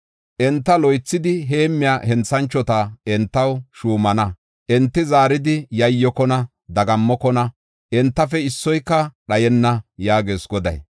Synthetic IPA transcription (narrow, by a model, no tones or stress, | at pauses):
ʔɛnt̪ːɐlɔjt͡sːɪd̪ɪɦeːmːɪjaːhɛnt͡sːɐnt͡ʃːɔt̪ɐɛnt̪ːɐwʃuːmɐnɐ | ʔɛnt̪ːɪzaːɾɪd̪ɪjɐjːɔkɔnɐ | d̪ɐɡɐmːɔkɔnɐ | ʔɛnt̪ːɐfɛɪsːɔjkːɐɗɐjɛnːɐjaːɡeːsɡɔd̪ɐ̰j